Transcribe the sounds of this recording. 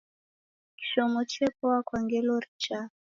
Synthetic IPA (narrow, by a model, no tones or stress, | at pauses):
ki̥ʃɔmɔt͡ʃɛkɔwakwaŋɡɛlɔɾit͡ʃa